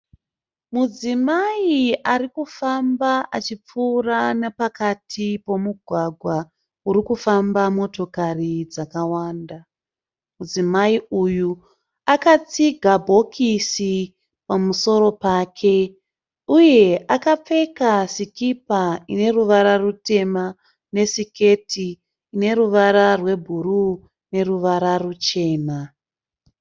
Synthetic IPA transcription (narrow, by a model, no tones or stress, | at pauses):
mud͡zimaiarikufambaʔat͡ʃip͡fuːranepakatʰipo̞muɡʱwaɡʱwa | uɾikufambamo̞to̞karid͡zakawaːnda | mud͡zimaiuju | akat͡siɡʱabʱo̞kʰisi | pamuso̞ɾo̞paːkʰe̞ | uje̞akap͡fe̞kasikipaine̞ruʋaɾarute̞ma | ne̞sike̞tʰiː | ne̞ɾuʋaɾarwe̞bʱuɾu | ne̞ɾuʋaɾarut͡ʃe̞ːna